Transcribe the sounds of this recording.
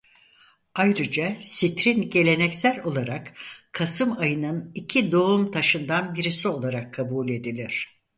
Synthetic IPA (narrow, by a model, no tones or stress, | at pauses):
ajɾɯd͡ʒasit̪ɾinɟe̞lʲe̞nɛcsælʲo̞lˠaɾakkʰasɯmajɯnɯnicʰid̪o̞umt̪ʰaʃɯnd̪anbiɾisio̞lˠaɾakʰːabuːlʲe̞d̪ilʲiɾ̝̥